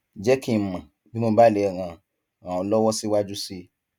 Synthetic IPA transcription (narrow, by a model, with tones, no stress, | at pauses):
d͡ʒɛ˦ki˦˨mã˨ | bi˦mo˧ba˦˨lɛ˨ɾ̃ã˧ | ã˨ɔ̃˧lɔ˦wɔ˦si˦wa˦d͡ʒu˦si˦